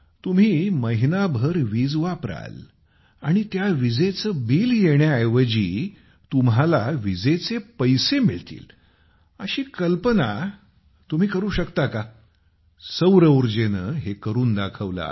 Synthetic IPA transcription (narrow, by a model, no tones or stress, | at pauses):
t̪um̤iːməɦinabʱəɾʋiːd͡zʋapɾa̰l | aɽ̃it̪jaʋid͡zet͡səːbiːljeɳjajʋəd͡ʑiː | t̪umɦalaʋid͡zet͡sepəjsemiɭt̪ḭːl | əɕiːkəlpəna | t̪um̤iːkəɾuːɕəkt̪aka | səwɾəuɾd͡ʑenəːɦekəɾuːnd̪akʰəʋla̰